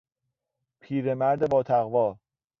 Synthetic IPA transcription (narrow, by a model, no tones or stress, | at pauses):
pʰiːɾemæɾd̪e̞bɒːt̪ʰæɣvɒː